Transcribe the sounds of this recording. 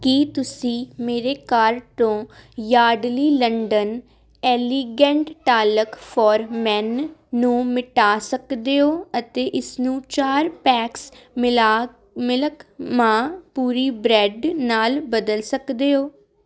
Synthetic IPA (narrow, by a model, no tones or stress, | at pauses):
kiːt̪ʊsĩːmeːɾeːkaːɾt̪õːjaːɖliːləɳɖən | ɛːliːɡɛ̃ːɳʈʈaːləkpʰɔːɾmɛːnːũːmɪʈaːsəkd̪eːoːət̪eːʔɪsnũːt͡ʃaːɾpɛːksmː | mɪləkmãːpuːɾiːbɾɛːɖnaːlbəd̪əlsəkd̪eːɦoː